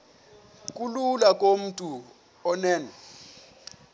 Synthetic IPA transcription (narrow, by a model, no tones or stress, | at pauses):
k̬ʼululakʼom̩tʼu | ɔnɛːnɛ